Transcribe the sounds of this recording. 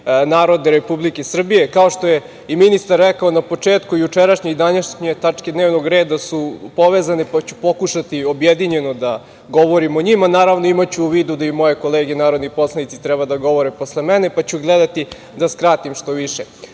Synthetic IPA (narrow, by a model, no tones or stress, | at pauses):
naːɾo̞d̪eɾepublikesr̩bije̞kao̞ʃt̪o̞je̞ | iminist̪aɾːekaonapo̞t͡ʂeːt̪kujut͡ʂeɾaʃɲeɡd̪aɲaʃɲet̪at͡ʂked̪neːʋno̞ɡɾe̞ːd̪asupo̞ʋezanepat͡ɕu̥po̞kuʃat̪io̞bjed̪iɲe̞nod̪a | ɡo̞ʋoɾimo̞ɲimanaːɾaʋno̞imat͡ɕuːʋiːd̪ud̪aimo̞je̞ko̞leːɡenaːɾod̪nipo̞slˠanit̪si̥t̪ɾɛbad̪aɡo̞ʋo̞ɾepo̞slˠe̞mene̞pat͡ɕuɡled̪at̪i | d̪askɾaːt̪imʃt̪o̞ʋiʃe